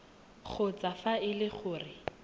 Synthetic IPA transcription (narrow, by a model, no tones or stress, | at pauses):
χʰʊt͡safaɪlɪχʊːrɪ